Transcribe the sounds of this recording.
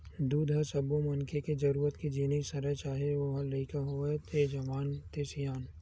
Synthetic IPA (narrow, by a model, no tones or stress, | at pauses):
d̪uːd̪ʱɦɐsɐbumɐnkʰeked͡ʒɐɾuːɾət̪kid͡ʒiːnisɐɾət͡ʃaːɦeʋoɦɐləikaɦoet̪ed͡ʒɐʋaːnt̪eːsijaːn